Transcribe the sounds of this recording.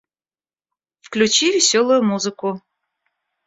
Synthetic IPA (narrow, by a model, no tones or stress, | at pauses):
fklʲut͡ɕivʲɪsʲolˠʊjʊmuzɨkʊ